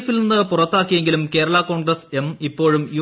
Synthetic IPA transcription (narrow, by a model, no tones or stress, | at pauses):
filninːɨpurɐt̪ːaːkːijeŋɡilumke̞ːɾɐɭɐko̞ːɳɡrɐse̞mipːo̞ːɻumjuː